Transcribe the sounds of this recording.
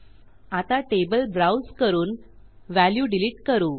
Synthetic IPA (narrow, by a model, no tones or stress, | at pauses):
at̪aʈebəlbɾawskəɾuːn | ʋæljuɖiliʈkəɾuː